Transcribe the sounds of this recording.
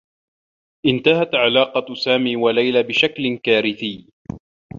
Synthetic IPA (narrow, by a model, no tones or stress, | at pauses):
ʔɪnt̪ahat̪ʕalaːqɑsaːmiːwalajlaːbɪʃaklkaːɾɪθɪj